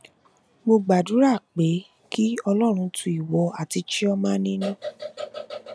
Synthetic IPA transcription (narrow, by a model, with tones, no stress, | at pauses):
mo˧ɡ͡ba˨du˨˦ɾa˦˨k͡pe˨˦ | ki˦ɔ˧lɔ˦˨ɾ̃ũ˧tʰũ˧i˨wɔ˨˧a˨ti˧t͡ʃi˦ɔ˦mãː˦nĩ˦nũ˦˨